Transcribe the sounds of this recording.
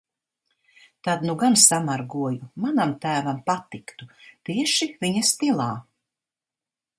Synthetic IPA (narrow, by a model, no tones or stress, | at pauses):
t̪ad̪nuɡansamaɾɡuɔjumanamt̪æːvampat̪ikt̪ut̪iɛʃiviɲast̪ilˠaː